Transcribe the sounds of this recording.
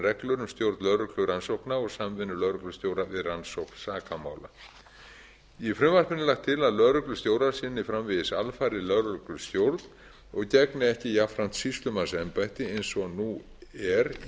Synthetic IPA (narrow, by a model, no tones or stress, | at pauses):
rɛklœɾʏmst̪jowɾt̪nœɾʏklʏɾansowknaɔɣsamvɪnːʏlœðɾʏklʏst̪jowɾavɪðransowkn̥saːkamaːwla̰ | ifɾʏmvar̥pɪnɪlaxt̪ʰːɪlaðlœðɾʏklʏst̪joːwɾaɾ̥sɪːnɪfɾamvɪðɪsalfajɾɪlœðɾʏklʏ̥st̪jowɾt̪n | ɔɣcɛknɪɛhcɪjafɾan̥t̪sist̪lʏmansɛmpajht̪ɪejnsɔnu | ɛɾ